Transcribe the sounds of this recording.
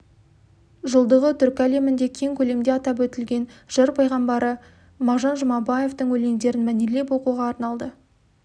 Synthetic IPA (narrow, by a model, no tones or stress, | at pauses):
ʒəlˠd̪əʁət̪ʰʏɾkʲæle̞mɪnd̪e̞kʲʰe̞ŋkʲʰɵle̞md̪eɑt̪ɑp̬wɵt̪ɪlɡʲe̞nʒ̥əɾpʰɑjʁɑmbɑɾə | mɑʒɑnʒəmɑbɑje̞ft̪əŋwɵle̞ŋd̪e̞ɾɪnmænele̞pwo̞quʁɑːɾnɑlˠd̪ə